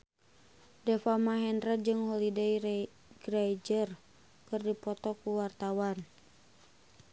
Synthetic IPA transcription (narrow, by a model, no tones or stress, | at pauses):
dɛfamaɦɛndrəd͡ʒɨŋhɔlidej | ɡrajd͡ʒər | kɨrdipɔt̪ɔkuwart̪awan